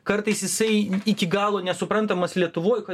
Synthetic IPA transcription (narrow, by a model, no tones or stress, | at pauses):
kɐɾt̪ɐɪsjɪsɐɪɪkʲɪɡɑːlˠoːnʲɛsʊpɾɐnt̪ɐmɐslʲiɛt̪ʊʋoːjkɐ